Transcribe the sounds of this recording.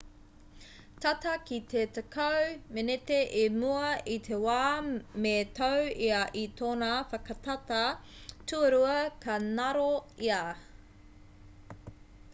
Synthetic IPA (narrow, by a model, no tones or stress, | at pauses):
t̪ɐt̪ɐkit̪ʰet̪ɐkʰɐwmenet̪eʔemuɐit̪ʰewaːmet̪ʰɐwiɐʔit̪ʰoːnafɐkɐt̪ɐt̪ɐtʰuɐɾuɐkʰɐnɐɾoia